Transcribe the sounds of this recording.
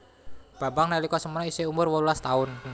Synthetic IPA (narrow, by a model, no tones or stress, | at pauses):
b̥a̤baŋnalikɔsəmənɔiseumʊrwɔlulast̪aʊn